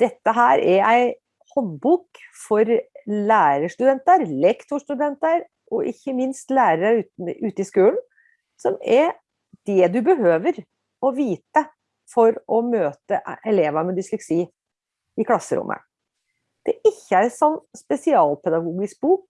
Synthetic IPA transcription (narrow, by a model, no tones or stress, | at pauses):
d̪̥ɛt̪ːəɦæːɾɛɾæɪ | hɔnbuːkfɔɾlæːɾəʂt̪ʉd̪ɛnt̪əɾlɛkt̪ʊʂʈ̪ʉd̪ɛnt̪əɾ | ʔɔʔɪçːəmɪnst̪læːɾəɾəɾʉːt̪əɪskʉːln̩ | sɔmɛɾ | d̪̥ɛd̪ʉbəɦøːʋəɾ | ɔʋiːt̪ə | fɔɾɔmøːt̪əʔʔɛleːʋɑmɛd̪ɪslɛksiː | ɪkʰlɑsːəɾʊ̰mʔə̰ | d̪̥ɛʔɪçːəæɾɛsɔnːspɛsɪɑːlpʰɛd̪ɑɡuːɡɪsk̚buːk̚